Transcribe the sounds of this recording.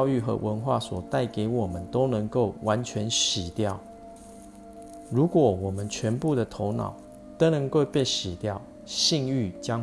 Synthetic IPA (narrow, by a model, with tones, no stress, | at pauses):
ʊy˥˨xɤ̰˧˦wʔə˧˦nxwa̰˥˩swɔ˨˩t̪a˥˩ɪke˧˥ɪwɔ˨˩mə˦nt̪o˥ʊnə˧˥ŋko˥˩ʊwʔa˧˦nt͡ɕʰɥɛ˧˦nɕi˨˩t̪jɑ˥˨ʊ | ɻu˨˦˥kwɔ˨˩wɔ˨˩mə˦nt͡ɕʰɥɛ˧˦npu˥˨d̪ə˨t̪ʰo˧˥ʊnɑ̰˨˩ʊ | t̪o˥˦nə˧˦ŋkwe˥˧pe˥˧˩ɕi˨˩t̪jɑ˥˨ʊ | ɕi˥˧ŋy˥˨t͡ɕjɑ˦